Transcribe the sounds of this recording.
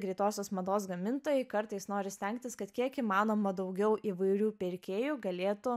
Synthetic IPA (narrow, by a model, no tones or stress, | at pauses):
ɡɾʲɪt̪oːsʲoːsmɐd̪oːsɡɐmʲɪnt̪oːjɛɪkɐɾt̪ɐɪsnoːɾʲɪsʲt̪ʲɛŋkt̪ʲɪskɐt̪kʲiɛkiːmɑːnoːmɐd̪ɐʊɡʲɛʊʔiːʋɐɪɾʲuːpʲɪɾʲkʲeːjuːɡɐlʲeːt̪ʊ